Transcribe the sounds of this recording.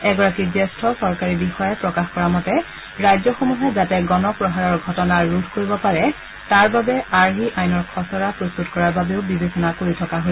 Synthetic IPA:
ɛɡɔɹakizɛstʰɔsɔɹkaɹibixɔjɛpɹɔkaxkɔɹamɔtɛ | ɹajzɔxomuɦɛzatɛɡɔnɔpɹɔɦaɹɔɹɡʱɔtɔnaɹudʱkoɹibɔpaɹɛ | taɹbabɛaɹɦiʔajnɔɹkʰɔsɔɹapɹost̪utkɔɹaɹbabeʊbibesɔnakoɹitʰɔkaɦo

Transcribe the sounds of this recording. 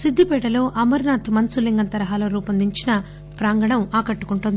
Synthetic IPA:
sid̪ʱːipɛːʈɐlo̞ːʔɐmɐɾnaːt̪mɐnsuliŋɡɐnt̪ɐɾɐɦaːlɐːɾuːpɐnd̪iɲt͡ʃinɐ | pɾaːŋɡɐɽɐmaːkɐʈːu̥kuɳʈund̪i

